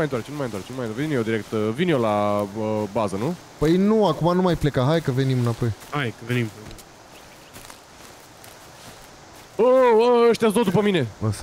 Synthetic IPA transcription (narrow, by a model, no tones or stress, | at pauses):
ajɨnaɾrt͡ʃenumajɨt̪waɾt͡ʃenmaj̪veinjod̪iɾek̚t̪vinjolaəbazənu | pəjnuakumanumajplekaɦajkəve̞nimɨnapo̞jhajkəvenimpe | oəəʃt̪iasd̪ot̪d̪upəmine̞ə